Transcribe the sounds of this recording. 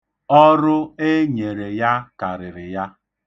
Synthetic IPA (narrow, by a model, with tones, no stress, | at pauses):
ɔ˦ɾʊ˦e˦ɲe˨ɾe˨ja˦ka˨ɾɪ˨ɾɪ˨ja˦